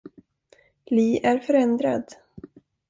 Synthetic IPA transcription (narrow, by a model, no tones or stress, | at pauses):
liːʔæɾfœɾɛnd̪ɾa̰d̪